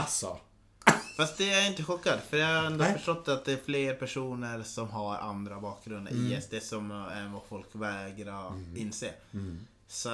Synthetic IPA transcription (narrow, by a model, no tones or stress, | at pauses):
asɔ̰ | fast̪̚d̪ɛæɾɪnt̪əɧɔkːad̪fœɾjɑːaɾɛnd̪ʊfœʂʈɔt̪ːat̪̚d̪ɛːɾfleːɾpæʂuːnəɾsɔmɦaɾʔa̰nd̪ɾabɑːk̚ɡɾɵnd̪ə̰ɾiːɛsd̪esɔmɛnvafɔlkvɛːɡɾɔɪnːseː | sɔ